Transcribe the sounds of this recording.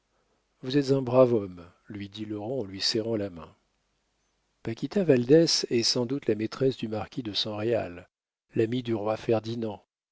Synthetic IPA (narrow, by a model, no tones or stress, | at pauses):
vuzɛt̪zɛ̃bʁavɔm | lɥid̪ilɔʁɑ̃ɑ̃lɥisɛʁɑ̃lamɛ̰̃ | pakʲit̪avald̪ɛsɛsɑ̃d̪ut̪lamet̪χɛsd̪ymaʁkʲid̪əsɑ̃ʁea̰lː | amid̪yʁwafɛʁd̪inɑ̃